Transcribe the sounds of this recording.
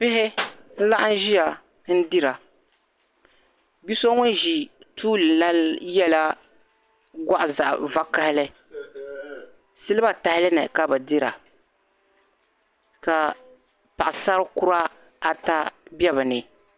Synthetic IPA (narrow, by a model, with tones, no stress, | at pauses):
pɪ˦ɦɪ˦n̩˦la˦ʔa˦n̩˦ʒi˦a˨ | n̩˦dɪ˦ɾa˨ | bi˦so˦ŋʊ˦n˦ʒi˨ | tuː˦lɨ˨la˦jɛ˦la˦ | ɡa˦ʔʊ˨za˨ʔva˦ka˦hɪ˦lɪ˦ | sɨ˦lɨ˦ba˦ta˨hɪ˦lɨ˦nɛ˨ka˦bɨ˨dɪ˦ɾa̰˨ | ka˨ | pa˨ʔa˨sa˦ɾkʊ˦ɾa˦ | a˨ta˦bɛ˦βɨ˨nɪ˨